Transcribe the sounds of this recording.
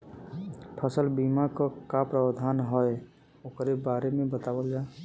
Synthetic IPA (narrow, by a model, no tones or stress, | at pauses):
pʰəsəlbiːmakokapɾəwd̪ʱaːnɦɔe | ʊkɾebaːɾemẽbət̪aːwəld͡ʒaː